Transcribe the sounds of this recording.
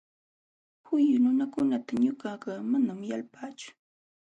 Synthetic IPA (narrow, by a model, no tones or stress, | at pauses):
hʊjʊnʊnakʊnat̪aɲʊkaɢɑːmanamjalpaːt͡ʃʊ̥